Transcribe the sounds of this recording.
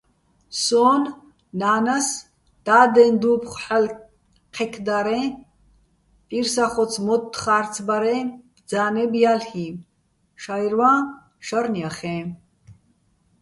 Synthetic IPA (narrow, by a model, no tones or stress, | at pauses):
sɔːnː | aːnas | d̪̥aːd̪ɛnd̪uːpʰχħal | qʰɛkʰd̪aɾɛ | pʼiɾsaχɔt͡sʰmɔt̪ːχaːɾt͡sʰbaɾɛ̥ | d͡zaːnɛbjalhi | ʃajɾva | ʃaɾnijaχɛ̃